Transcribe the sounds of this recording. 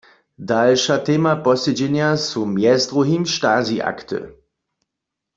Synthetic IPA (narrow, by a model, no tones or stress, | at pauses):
dalʃatʰemapɔsɪd͡ʒɪnjasumjɛstʁohiːmʃtaːziʔa̰ktʰə̰